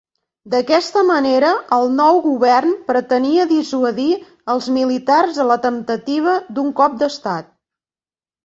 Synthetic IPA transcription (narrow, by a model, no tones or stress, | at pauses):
d̪əkɛst̪əməneɾəəlˠnɔwɣuβɛrnpɾət̪əniəðisuəði | əlˠzmilit̪arzələt̪ənt̪ət̪iβ̞əd̪uŋkɔp̚d̪əst̪at̪̚